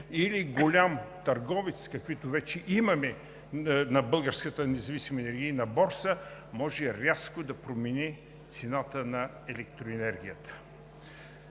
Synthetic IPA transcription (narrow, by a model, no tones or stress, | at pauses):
iliɡolʲamt̪ɐɾɡɔvɛt̪skɐkvit̪ʊvɛt͡ʃɛʔimɐmɛ | nɐbɤlˠɡəɾskət̪ənɛzɐvisimɐɛnɛɾɡʲijənɐbɔɾsəmɔʒɛɾʲaskʊd̪ɐpɾomɛni | t̪sɛnat̪ənɐ | ɛlɛk̚t̪ɾoɛnɛɾɡ̟ʲijət̪ə̥